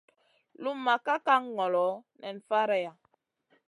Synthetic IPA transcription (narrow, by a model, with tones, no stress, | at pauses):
lu˦mːa˨ka˦ka˦ŋː˦ɔ˨lɔ˨˦nɛ˨n̩˨fa˦ɾɛ˦ja˨